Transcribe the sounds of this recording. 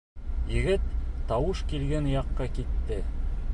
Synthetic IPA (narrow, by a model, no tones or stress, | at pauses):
jɘ̆ɡɘt̪ːɑwɤʃkilɡænjɑqːɑkit̪ːɘ